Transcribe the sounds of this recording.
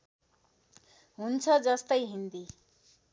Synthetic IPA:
ɦunt͡sʰʌd͡zʌst̪ʌjɦind̪i

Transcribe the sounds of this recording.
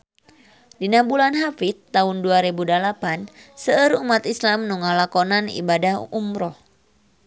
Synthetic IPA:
dinabulanɦafit̪ːaɦunduaɾebudalapansəəɾumat̪islamnuŋalakɔnanḭbadahumɾɔh

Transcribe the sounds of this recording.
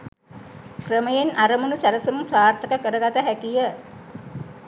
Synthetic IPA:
krəməjenʔaɾəmunusælɐsumumsaːrt̪əkəkəɾəɡat̪əɦækijə

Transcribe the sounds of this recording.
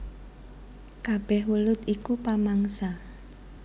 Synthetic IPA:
kab̥ɛhwulʊt̪ikupamaŋsa

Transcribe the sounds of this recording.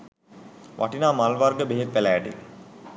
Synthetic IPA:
ʋʔa̰ʈinaːmalʋarɡəbeɦet̪ʋælæːʈḭ

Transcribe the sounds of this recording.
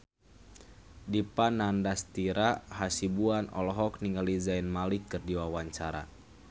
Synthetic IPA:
dipanandast̪iɾahasibuanɔ̰lɔɦɔkniŋɡalizainmalikːɨrdiwawaɲt͡ʃaɾa̰

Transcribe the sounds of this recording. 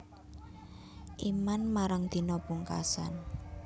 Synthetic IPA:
ʔimanmaɾaŋd̪̥i̤nɔpuŋka̰sa̰n

